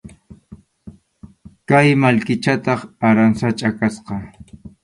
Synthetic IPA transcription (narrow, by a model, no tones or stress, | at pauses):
kajmalkɪt͡ʃat̪ɑχaɾansat͡ʃʼakasqɑ